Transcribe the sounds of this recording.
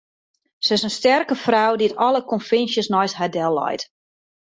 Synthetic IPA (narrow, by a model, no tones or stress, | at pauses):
səɪsənstɛrkəfrawdiətɔləkɔnfɪnsjəsnɔjshadɛlˠːɔ̰jt